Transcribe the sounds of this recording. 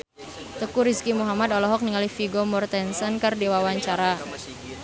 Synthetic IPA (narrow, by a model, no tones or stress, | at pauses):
t̪əkuɾiskimuɦamad̪ɔlɔɦɔk̚niŋalifiɡomɔrt̪ɛnsənkərdiwawaɲt͡ʃaɾa